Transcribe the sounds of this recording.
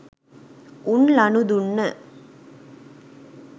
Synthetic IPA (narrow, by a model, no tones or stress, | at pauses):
ʔunlɐnud̪unːə